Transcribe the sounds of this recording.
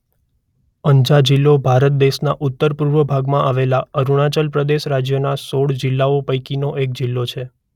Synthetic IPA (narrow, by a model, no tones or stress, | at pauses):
əɲd͡ʒad͡ʒɪlːobʱaɾət̪̚d̪eʃnaʔʊt̪ːəɾpuɾʋəbʱaɡmãʔaʋelaəɾuɽ̃at͡ʃəlpɾəd̪eʃɾad͡ʒjənasoɽd͡ʒɪlːaopəjkinoʔek̚d͡ʒɪlːot͡ʃʰe